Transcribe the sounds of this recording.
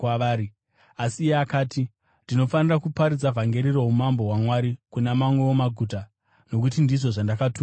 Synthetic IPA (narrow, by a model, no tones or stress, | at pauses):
aʋaːɾi | asiːjeakaːti | ndino̞fanirakupaɾid͡zavʱaŋɡe̞ɾiɾo̞ɦumambo̞ɦwamwaɾikunamamweomaɡʱuːta | no̞k̬utindiʐo̞ʐandakatu